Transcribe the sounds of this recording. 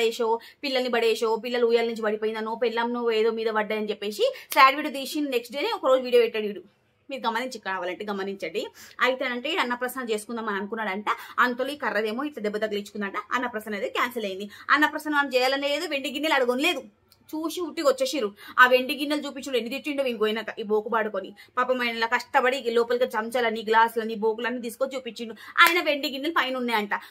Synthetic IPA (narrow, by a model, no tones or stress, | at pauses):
eːʃoː | pilːɐlnibɐɽeːʃoːpilːɐluːjaːlnuɲt͡ʃibɐɽipoːjind̪ɐnoːpɛlːɐmnoːeːd̪oːmiːd̪ɐʋɐɖːaːjɐnit͡ʃepːe̞ːsisaːɖʋiːɽud̪iːʃinneksʈɖeːneɔkɐɾoːd͡ʒuʋiːɽijoːiʈːɐɽjuːɽu | miːɾuɡɐmɐniɲt͡ʃikːɐɽaːʋaːlɐɳʈeɡɐmɐniɲt͡ʃɐɽiɐjit̪eːɐɳʈeːiɐnːɐpɾɐsnɐt͡ʃe̞ːsu̥kund̪ɐmɐnɐɐnukunːaːɽɐɳʈaɐnt̪ɐluiːkɐɾːɐd̪e̞ːmo̞ːiʈlɐd̪ɛbːɐd̪ɐɡɐlɐit͡ʃu̥kund̪aːɳʈaɐ̰nːɐpɾɐsɐnɐd̪ekaːnsɐlɐjind̪iɐ̰nːɐpɾɐsɐnɐʋaɐmt͡ʃɛːjaːlɐnleːd̪oːʋe̞ɳɖiɡinːɐlɐɽuɡonle̞ːd̪u | t͡ʃuːsiuʈːikot͡ʃːeʃiɾuaːʋe̞ɳɖiɡinːɐlt͡ʃuːpiɲt͡ʃːiɳenːit̪it͡ʃːiɳɖoʋinɡojnɐiboːkubaːɽukonipɐpɐmɐjnɐloːkɐʂʈɐbɐɽilɔːpɐlɡaːt͡ʃɐmt͡ʃɐlɐnːiɡlaːsulɐnːiboːk̬ulɐnːit̪̬iːsukot͡ʃuːpiɲt͡ʃːiɳɖua̰ːjɐnɐʋe̞ɳɖiɡinːɐlpɐjnunːaːjɐɳʈa